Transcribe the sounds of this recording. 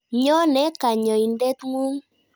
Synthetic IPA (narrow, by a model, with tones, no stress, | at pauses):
ɲɔ˦nɛ˨˦ka˨ɲɔ˨i˨ndɛ˦tŋu˦ŋ